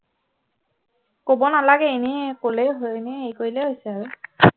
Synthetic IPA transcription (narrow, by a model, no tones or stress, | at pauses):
kobɔnalaɡɛːnikolɛɦojnɛejkoɹilɛɦojsɛaɹu